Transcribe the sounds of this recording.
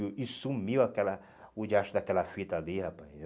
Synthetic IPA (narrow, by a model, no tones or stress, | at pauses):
isumiwakɛlɐ | ʊd͡ʒiaʃʊd̪akɛlɐfit̪ɐlihapaj